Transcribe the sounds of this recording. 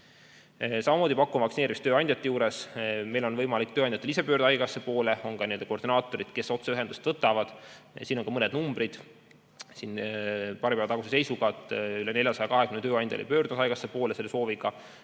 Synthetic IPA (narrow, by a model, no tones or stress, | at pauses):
sɑmɑmoːd̪ʲipɑkːˑumvɑksineːɾimist̪øːɑnʲd̪ʲjɑt̪ːˑejuːɾe̞sme̞jlo̞nvɤjmɑlikt̪øɑnd̪ʲjɑt̪ːelis̬e̞pøːrd̪ɑjɡɑsːe̞po̞ːleo̞ŋkɑnield̪ekord̪inɑːt̪ːˑo̞ɾid̪̥ke̞so̞t̪seyɦe̞nd̪ust̪vɤt̪ːˑɑvɑd̪̥ | siːno̞ŋkɑmɤnɛd̪̚numb̥rid̪̥ | sinpɑɾipæːvɑt̪ɑɡusese̞jsuɡɑːt̪ˑylene̞lʲjɑsɑjɑkɑɦe̞kymnet̪øːɑnʲd̪ʲɑ̰lḛpø̞ːrd̪umusɑjɡ̥ɑsːepo̞ːlese̞lːe̞so̞ːviɡ̥ɑ